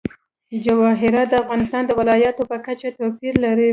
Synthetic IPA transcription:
d͡ʒawɑɦɪɾɑt̪̚d̪əafɣɑnɪst̪ɑnd̪əwɪlɑjat̪opəkat͡ʃat̪apiɾlaɾi

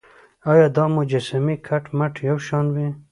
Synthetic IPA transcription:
ɑjɑd̪ɑmʊd͡ʒasamikʰaʈmaʈʰjawʃɑnwi

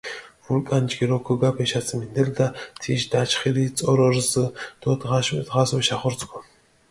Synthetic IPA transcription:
vulkʼant͡ʃɡiɾɔkʰɔɡapʰɛʃat͡sʰʼmind̪ɛld̪at̪ʰiʃd̪at͡ʃʰχiɾit͡sʼɔɾɔɾsɨd̪̥ɔt̪ʰʁaʃt̪ʁaswuʃaχɔɾt͡sʰʼkʰɔ

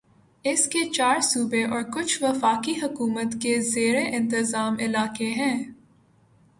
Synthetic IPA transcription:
ɪsket͡ʃaːɾsuːbeʔɔːɾkʊt͡ʃʰʋɐfaːkiɦɐkuːmət̪kezeːɾeʔɪ̃nt̪ɪzaːmɪlaːkeɦɛ̃ː

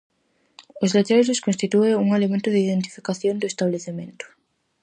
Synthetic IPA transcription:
ozlet͡ʃ̪ezoskonst̪it̪ueuŋelemẽnt̪oðeiðent̪i̥fikaθjond̪oest̪aβleθemẽnt̪o̥

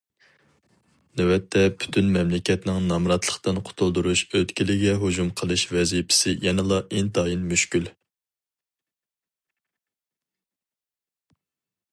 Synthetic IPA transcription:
nɛwɛt̪ʰːɛpʰy̥t̪ʰynmɛmlɪkʲɛt̪nɪŋnɑmɾɑt̪lˠəχt̪ɨnqʰʊ̥t̪ʰulˠd̪uɾuʃøt̪kʲilɪɡʲɛɦod͡ʒumqʰəlˠɨʃvɛzipʰɪ̥sɪjɛnɛlˠɑʔent̪ʰɑjinmyʃkʲyl

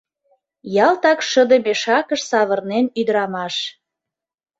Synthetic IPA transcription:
jɑlt̪ɑkʃəd̪əmeʃɑkəʃsɑβə̆rnenyd̪əɾɑmɑʃ

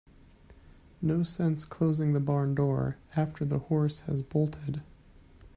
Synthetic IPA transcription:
noʊsɛ̃nskʰl̥oʊzɪ̃ŋðɨbɑɹndɔɹæftʰə˞ðəhɔɹshɨ̰zbɔlˠtʰɪd̥

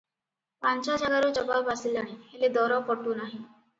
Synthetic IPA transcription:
pant͡ʃad͡ʒaɡaɾɔd͡ʒɔbabasilaɽ̃iheled̪ɔɾɔpɔʈunaɦĩ

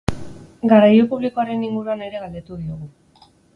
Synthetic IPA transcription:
ɡarajupuβliko̞aɾe̞niŋɡuɾuane̞ɾe̞ɣald̪e̞t̪uð̞io̞ɣ̞u

